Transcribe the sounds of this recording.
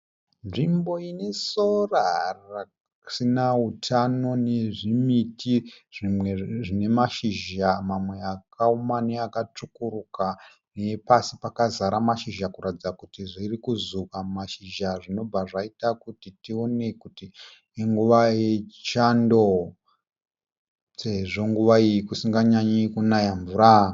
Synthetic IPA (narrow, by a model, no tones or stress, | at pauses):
nʐimbo̞ine̞sorara | sinautʰano̞ne̞ʐimitʰiʐimwe̞ʐine̞maʃiʒamamwe̞akʰaumaneakat͡ʂukuɾuka | ne̞pasipakazaɾamaʃiʒakuɾatid͡zakutiʐirikuzukamaʃiʒaʐino̞bʱaʐaitakutitio̞ne̞kuti | eŋɡuʋajet͡ʃi̥t͡ʃando̞ | t͡seʐo̞ŋɡuʋaijikusiŋɡaɲaɲikunajaɱvuɾa